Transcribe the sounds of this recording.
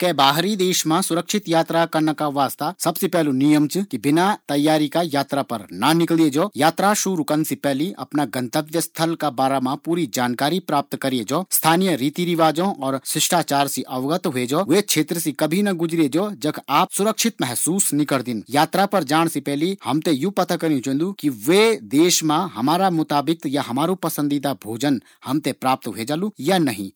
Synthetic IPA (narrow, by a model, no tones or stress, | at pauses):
keːbaːɦɾid̪eːʃmãsʊɾəkʃʰɪt̪jaːt̪ɾakɐɾnəkaʋaːst̪asɐbsepɛɦlunijəmt͡ʃkibɪnat̪ɐjːaːɾikajaːt̪ɾapɐ̰ɾnanɪklied͡ʒoːjaːt̪ɾaʃuːɾukənsipɛɦliʔɐ̰pnaɡɐ̃nt̪əb̪̚jəst̪ʰəlkabaːɾamãpuːɾid͡ʒaːnkaːɾipɾaːp̚t̪kɐɾied͡ʒoːst̪ʰaːnijəɾiːt̪iɾiʋaːd͡ʒõʔɔːɾsɪʃʈaːt͡ʃaːɾsiʔɐʋɡət̪ɦoed͡ʒoːʋekt͡ʃʰeːt̪ɾəsikɐbʱinɐɡʊd͡ʒɾed͡ʒoːd͡ʒɐkaːp̚sʊɾəkʃɪt̪mɛɦsuːsnɪkəɾd̪ɪnjaːt̪ɾapɐɾd͡ʒaːɽ̃sipɛɦlihɐmt̪ejũpɐt̪akɐɾit͡ʃõːnd̪ukiʋed̪eːʃmãɦɐmaːɾamʊt̪aːbɪkjaɦɐmaːɾupɐsə̃nd̪it̪abʱoːd͡ʒən | hɐmt̪epɾaːp̚t̪ɦeːd͡ʒalujanɐɦḭ̃ː